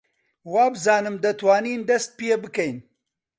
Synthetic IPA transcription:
waːbɨzaːnɨmd̪ɐt̪waːniːnd̪ɐst̪̚pjebɨkɐjn

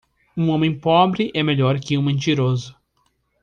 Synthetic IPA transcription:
ũõmẽj̃pɔbɾɪʔɛmeʎɔɾkɪũmẽnt͡ʃiɾozʊ

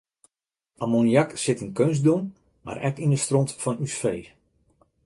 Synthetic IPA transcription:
ʔamonijaksɪtinkønsdun | ma̰ɾʔɛkindəstrɔntfɔnysfeː

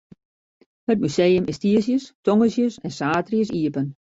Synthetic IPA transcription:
hət̚myseːəmɪstiəsjəstɔŋəsjəsɛnsaːtrjəs̬iəpən

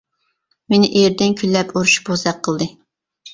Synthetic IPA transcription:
menɪʔeɾd̪ɪnkʲʰylːɛpʰuɾuʃu̥bozd̪ɛqʰːəlˠd̪ɨ

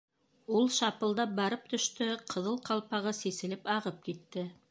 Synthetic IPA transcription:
ulˠʃɑpɤ̆lˠd̪ɑp̚bɑɾɤp̚t̪ɵ̆ʃt̪ɵqʰɤ̆ðɤlˠqɑlˠpɑʁɤsisɘ̆lɘpɑʁɤp̚kit̪ːɘ

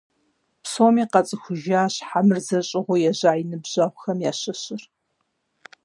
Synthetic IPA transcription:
psoːmiːqɐt͡sʼɨxʷʊʒaːɕħamɨrzɐɕʼɪʁʷʊjɛʑaːjinɨbʑ̥ɐʁʷxɐmjaːɕɐɕɪr

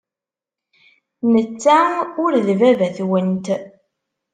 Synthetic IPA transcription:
nət͡sːæʊɾðvævæθwənt̪

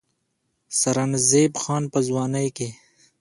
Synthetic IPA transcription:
sɐɾɐnzeːbxaːnpɐzwaːnɐjke

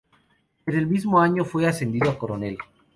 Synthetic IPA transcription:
eɾelmizmoaɲofwease̞nd̪iðoakoɾone̞l

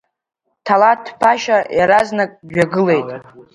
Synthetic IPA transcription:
tʰalatʰpʰaʃajaɾaznakʼɡᶣaɡɨle̞jtʼ

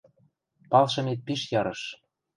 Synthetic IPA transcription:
pɑlʃɤ̆met̪̚piʃjɑɾɤ̆ʃ

